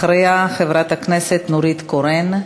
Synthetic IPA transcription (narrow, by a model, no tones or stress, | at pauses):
ɾejaχevɾat̪akneset̪nuɾit̪koɾen